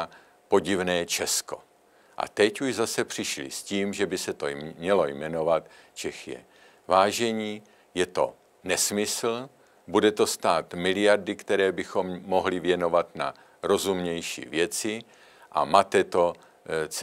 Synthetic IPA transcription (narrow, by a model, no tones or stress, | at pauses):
po̞ɟɪvnɛːt͡ʃɛsko̞̰ | ʔa̰t̪ɛcuʒzasɛpr̝̥ɪʃlɪ̰sciːmʒɛbɪsɛt̪o̰ɲɛlo̞jmɛno̞vat̪t͡ʃɛxjɛ̰ | vaːʒɛɲiː | jɛt̪o̞̰ | nɛsmɪsl̩ | budɛt̪o̞st̪aːt̪mɪlɪjardɪkt̪ɛɾɛːbɪxo̞mːo̞ɦlɪvjɛno̞vat̪na̰ | ɾo̞zumɲɛjʃḭːvjɛt͡sɪ | ʔa̰maːt̪ɛt̪o̞ | t͡s